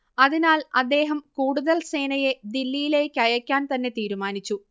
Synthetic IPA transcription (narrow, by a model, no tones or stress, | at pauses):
ɐðinaːlɐd̪ːe̞ːɦɐmkuːɽuðɐlse̞ːnɐje̞d̪ilːijile̞ːkʲːɐjɐkʲːaːnt̪ɐnːe̞t̪iːɾumaːnit͡ɕːu